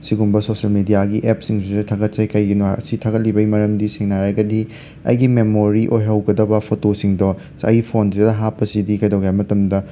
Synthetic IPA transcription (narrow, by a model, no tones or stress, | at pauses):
siɡumbɐsosɐlmidijaɡiʔep̚siŋsidɐtʰaɡɐt̚sɐjkɐjɡin̰sitʰaɡɐt̚libɐjmɐɾɐmdiseŋnaɾɐɡɐdi | ɐ̰jɡimemoɾiʔojɦɐwɡɐdɐbɐpʰotosiŋdɔ | ɐ̰jpʰonsidɐɦapːɐsidikɐjdowɡjamɐtɐmdɐ